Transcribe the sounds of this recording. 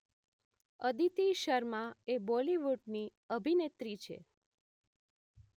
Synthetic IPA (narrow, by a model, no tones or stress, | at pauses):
əd̪it̪iʃəɾmãeboliʋuʈni | əbʱinet̪ɾit͡ʃʰḛ